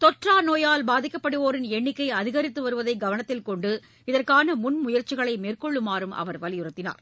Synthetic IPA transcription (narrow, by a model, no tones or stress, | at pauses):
t̪ɔʈraːnoːjaːlbaːðɪkːɐpːɐɽɯoːɾɪnɛɳːɪkːɐɪɐðɪɣɐɾɪt̪ːɯʋɐɾɯʋɐðɐɪɡɐʋɐnɐt̪ːɪlkɔɳɖɯ | ɪðɐrkaːnɐmʊnmʊjɐɾt͡ʃɪɣɐɭɐɪmeːrkɔɭːɯmaːɾɯmʔɐ̰ʋɐɾʋɐlɪjʊɾɐt̪ːɪna̰ːɾ